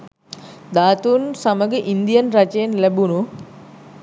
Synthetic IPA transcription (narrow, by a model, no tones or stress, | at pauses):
d̪aːt̪unsaməɡəʔind̪ijənrat͡ʃəjenlæbunu